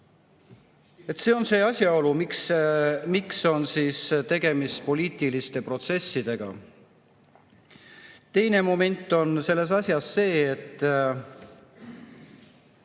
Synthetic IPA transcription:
e̞t̪ːse̞ːo̞nse̞ːɑsʲjɑo̞lumiksmikso̞nsiːst̪e̞ɡ̥e̞mist̪po̞liːt̪ˑilist̪e̞pro̞t̪se̞sːid̪̥e̞ɡ̥ɑ̰ | t̪e̞jne̞mo̞me̞nʲt̪ːˑo̞nse̞lːe̞s̬ɑsʲjɑsːe̞ːet̪ːˑ

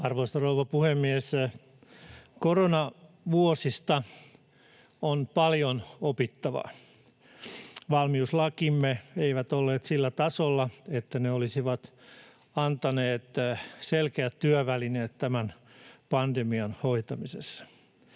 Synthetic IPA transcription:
ɑrʋoist̪ɑrouʋɑpuhemːies | koronɑ | ʋuosist̪ɑ | onpɑljonopit̪ːɑʋɑ̰ | ʋɑlmiuslɑkimːeeiʋæt̪olːeːt̪silːæt̪ɑsolːɑet̪ːæneolisiʋɑt̪ | ɑnt̪ɑneːt̪selkeæt̪tyøʋælineːt̪tæmænpɑndemiɑnhoit̪ɑmisesːɑ̥

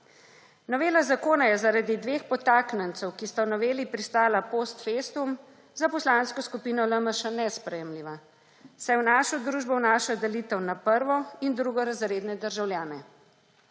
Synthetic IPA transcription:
nɔʋeːlazakoːnajɛzaɾad̪id̪ʋeːxpɔt̪aːknənt̪səwkist̪awnɔʋeːlipɾist̪aːlapoːst̪fest̪um | zapɔslaːnskɔskupiːnɔləməʃanɛspɾɛjɛmliːʋa | sajɛwnaːʃɔd̪ɾuːʒbɔwnaʃɔd̪ɛliːt̪əwnapəɾʋɔind̪ɾuɡɔɾazɾeːd̪nɛd̪əɾʒawljaːnɛ

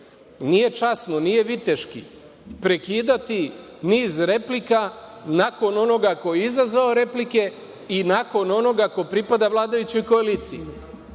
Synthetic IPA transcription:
nije̞t͡ʃasnonije̞ʋit̪e̞ʃkḭ | pɾe̞kiːd̪at̪i | niːzɾe̞plikanako̞no̞no̞ɡako̞jeizazʋao̞ɾe̞plike̞ | inako̞no̞no̞ɡako̞pɾipad̪aʋlˠaːd̪ajut͡ɕojko̞aliːt̪siju

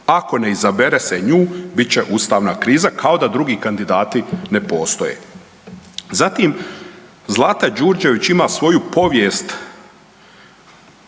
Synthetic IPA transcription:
ako̞ne̞izabeɾeseɲuːbit̪t͡ɕeʔuːst̪aːʋnakɾiːzakʰao̞d̪ad̪ɾuɡiːkand̪id̪aːt̪ine̞po̞ːst̪o̞jḛ | zat̪im | zlˠaːt̪ad͡ʒuːɾd͡ʒe̞ʋit͡ɕimasʋo̞jupo̞ʋjest̪

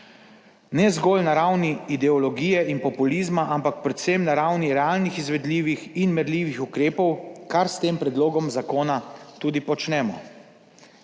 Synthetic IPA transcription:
nɛzɡɔːlnaɾawniid̪ɛɔlɔɡiːjɛinpɔpuliːzmaʔampak̚pɾɛt̪semnaɾawniɾɛalnixizʋɛd̪liːʋixinmɛɾliːʋixukɾeːpɔwkaɾst̪eːmpɾɛd̪loːɡɔmzakoːnat̪uːd̪ipɔt͡ʃnɛːmɔ̰

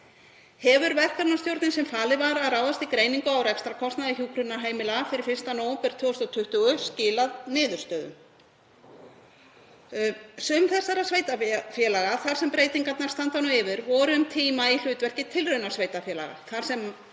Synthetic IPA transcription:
hɛvʏɾvɛð̥kaɾnast̪jowɾt̪nɪnsɛmfaːlɪvaɾaðraːwðast̪ikɾeːjniŋkʏawɾɛkst̪ɾakʰɔst̪naðɪçuːkʰɾʏnaɾɦaːjmɪlafɪɾɪɾ̥fɪr̥st̪anoːwmpɛɾ̥t̪ʰvʏːst̪ɔt̪ʰʏht̪ʏʏscɪːlaðnɪːðʏɾ̥st̪œːðʏ̰m | sʏmθɛsːaɾasveːjt̪afjɛlaɣaθaɾ̥sɛmpɾeːjt̪iŋkat̪naɾ̥st̪ant̪anʏɪvɪɾvɔɾʏʏmt̪ʰiːmail̥ʏːt̪vɛr̥cɪt̪ʰɪlrœɥnḁsveːjt̪afjɛːla̰ɣa̰θaɾ̥sɛm

